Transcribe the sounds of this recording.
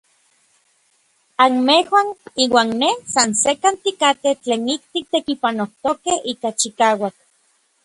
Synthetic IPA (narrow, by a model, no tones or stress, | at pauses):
anmehwaniːwaːnːesansekant̪ikat̪et͡ɬeːnik̚t̪ik̚t̪ekipanoht̪okehiːkat͡ʃikaːwak̚